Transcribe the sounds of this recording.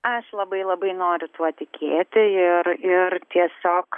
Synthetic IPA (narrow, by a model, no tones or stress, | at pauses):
ɐʃlˠɐbɐɪlˠɐbɐɪnoːɾʲʊt̪uɔt̪ʲɪkʲeːt̪ʲɪɪɾɪrt̪ʲiɛsʲoːk